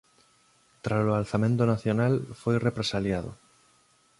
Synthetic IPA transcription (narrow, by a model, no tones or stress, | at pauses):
t̪ɾasoalθamẽnt̪ʊnaθjonalfojrepɾesaljað̞o̰